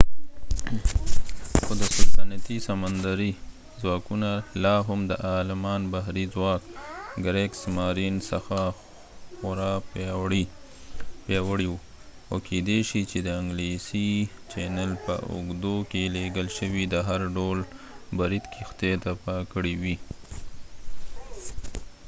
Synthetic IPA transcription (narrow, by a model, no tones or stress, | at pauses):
xod̪əsʊlsanat̪isamand̪aɾi | zwɑkunalɑɦʊmd̪əʔɑlɪmɑnbaɦɾizwɑkɡɾeksmɑɾinsaxa | xʊɾɑpjɑwɽi | pjɑwəɽiwu | awked̪eʃit͡ʃed̪əɪŋɡlesi | t͡ʃenalpə̰ʔʊ̰ɡd̪okeleɡəlʃəwid̪əɦaɾɖolbaɾit̪kʰixt̪et̪apakəɽiwi